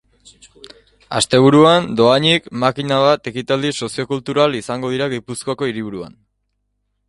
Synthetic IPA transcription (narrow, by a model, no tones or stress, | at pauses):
a̰st̪e̞β̞uɾuand̪o̞aɲikmakinaβ̞at̪e̞kit̪ald̪iso̞sio̞kult̪uɾalisaŋɡo̞ðiɾaɣipuskoako̞iɾiβuɾua̰n